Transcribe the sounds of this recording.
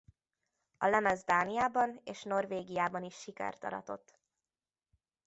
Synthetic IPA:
ɒlɛmɛzd̪aːnijaːbɒneːʃno̞rveːɡijaːbɒniʃːikɛ̰rt̪ɒ̰ɾɒ̰t̪o̞̰t̪ː

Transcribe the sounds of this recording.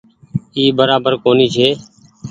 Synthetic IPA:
iːbəɾaːbəɾkoːniːt͡ʃʰeː

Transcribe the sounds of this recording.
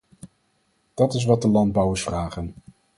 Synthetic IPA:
d̥ɑtɪs̬ʋɑt̚dəlɑnd̚bʌwəɹsfraːχən

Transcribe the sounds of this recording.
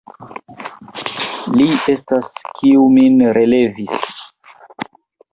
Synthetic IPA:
lie̞staskiuminɾe̞le̞vis

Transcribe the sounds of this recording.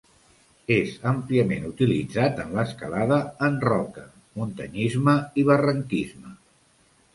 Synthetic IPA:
ezəmpliəmenut̪ilḭd͡zat̪ənləskəlaðəːnrɔkə | munt̪ə̰ɲizməiβərəŋkizmə

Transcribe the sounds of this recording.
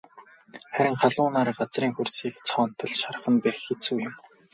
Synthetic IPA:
χæɾʲɪ̆ŋχaɮʊːnaːɾɢat͡sriːŋxursiːkt͡sʰɔːn̥t̪ʰə̆ɮʃarə̆χə̆nperxet͡suːjʊm

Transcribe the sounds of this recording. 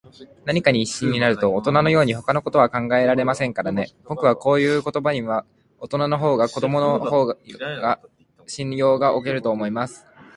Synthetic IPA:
naɲ̟ikaɲ̟iːɕːĩɲ̟ːinaɾɯ̟t̪o̞ːt̪o̞nano̞jo̞ːɲ̟iɦo̞kano̞ko̞t̪o̞βakãŋɡae̞ɾaɾe̞masẽ̞ŋkaɾane̞b̥o̞kɯ̟βako̞ːjɯ̟ːko̞t̪o̞baɲ̟iβa | ot̪o̞nano̞ɦo̞ːɡako̞d̪o̞mo̞noho̞ːɡa | ɕĩnjo̞ːɡaʔo̞ke̞ɾɯ̟t̪o̞ːmo̞imasɨ̥

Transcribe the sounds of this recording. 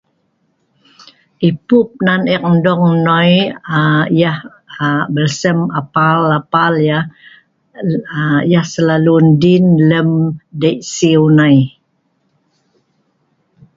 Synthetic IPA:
ʔipup̚nanik̚ndɔŋnojajah | bəlsəmapalapalja | jahsəlalundinləmdəjʔsiwnaj

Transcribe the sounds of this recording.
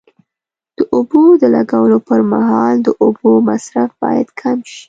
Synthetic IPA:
d̪̥əʔobod̪əlaɡawəlopəɾmaɦɑld̪əʔobomasɾafb̥ɑ̰ja̰d̪kʰamʃi̥

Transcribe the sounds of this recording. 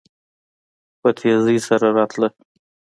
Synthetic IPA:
pət̪ʰezijsaɾaɾɑt̪ʰlə

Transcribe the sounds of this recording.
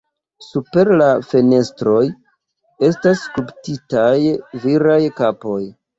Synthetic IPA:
supe̞ɾlafene̞stɾo̞j | e̞staskulptitajviɾajkapo̞j

